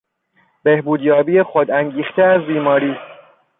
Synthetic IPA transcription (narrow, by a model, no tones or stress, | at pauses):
b̥e̞hbuːd̪jɒːbiːjexod̪æŋɟiːxt̪ʰeæzbiːmɒːɾiː